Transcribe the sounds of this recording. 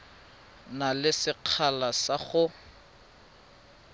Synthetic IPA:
nalɪsɪq͡χʰalasaɣʊ

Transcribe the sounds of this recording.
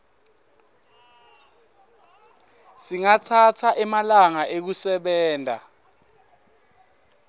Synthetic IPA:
siŋatʰatʰaʔɛmalaŋaʔek̬usɛɓɛːnta̰

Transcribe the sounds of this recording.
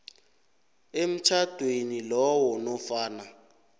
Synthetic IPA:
em̩t͡ʃʰad̥ʱwenilɔwɔnɔfaːna

